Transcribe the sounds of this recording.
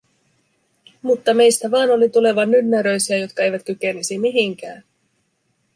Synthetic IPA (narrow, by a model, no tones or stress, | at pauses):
mut̪ːɑme̞jst̪æʋɑːno̞lit̪ule̞ʋɑnːynːæɾø̞jsiæjo̞t̪kɑe̞jʋæt̪kyk̟e̞nisimiɦiŋk̟æːn